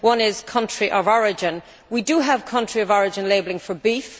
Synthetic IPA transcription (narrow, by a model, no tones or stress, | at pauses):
wʌ̃nɪz̥kʰʌ̃nt͡ʃɹ̥iʔəvɔɹɪd͡ʒɪ̃n | widəəv̥kʰʌ̃nt͡ʃɹ̥iəvɔɹɪd͡ʒə̃nleɪbl̩ɪ̃ŋfə˞bif